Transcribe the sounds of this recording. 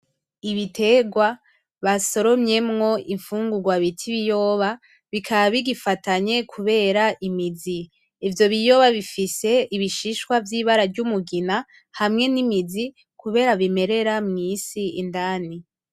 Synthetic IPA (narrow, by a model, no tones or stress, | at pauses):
iβitʰe̞ɡwa | βaso̞ɾo̞mɲe̞mŋo̞iɱfuːŋɡuɡwaβitʰiβijo̞ːβa | βikʰaβaβiɡifataɲe̞kʰuβe̞ːɾaʔimiziː | vjo̞βijo̞ːβaβifise̞iβiʃiʃkwavjiːβaɾaɾɟumuɡina | hamŋe̞nimizi | kuβe̞ːɾaβime̞ɾe̞ɾamŋiːsiindaːni